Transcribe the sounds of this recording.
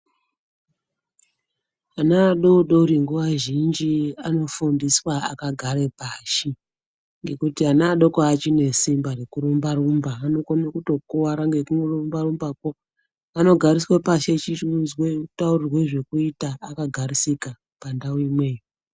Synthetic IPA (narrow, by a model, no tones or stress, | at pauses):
anaːɗoɗo̞ɾiŋɡuʋaʒind͡ʒiano̞fundiswaa̰kaɡʱaɾe̞paːʃi | ŋɡe̞kutianaːɗo̞koat͡ʃine̞simbaɾekuɾumbarumbaːno̞konakuto̞kowaɾaŋɡekuŋɡorumbarumbako | ano̞ɡʱariswepaʃe̞t͡ʃiunzweutaurirwe̞ʐe̞kuitaːkaɡʱarisika | pandaoimwe̞ːji